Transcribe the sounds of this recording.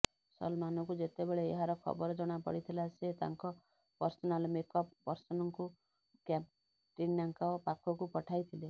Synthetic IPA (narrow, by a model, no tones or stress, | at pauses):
sɔ̰lmanɔkud͡ʒet̪ebeɭḛːɦaɾɔkʰɔ̰bɔɾɔd͡ʒɔɽ̃apɔ̰ɽit̪ʰilaset̪a̰ŋkɔ | pɔɾsɔnalmekɔppːɔɾsɔnɔŋku | kap | ʈinːaŋkɔpakʰɔkupɔʈʰajt̪ʰile